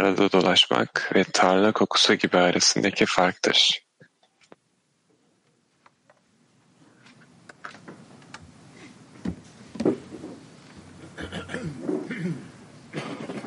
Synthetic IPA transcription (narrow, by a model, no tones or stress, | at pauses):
aɾad̪ad̪o̞lˠaʃma̰kvɛt̪ʰaɾlˠakʰo̞kʰu̥suɟibiaːɾʔesind̪ecʰifaɾk̚t̪ʰɯ̰ɾ̥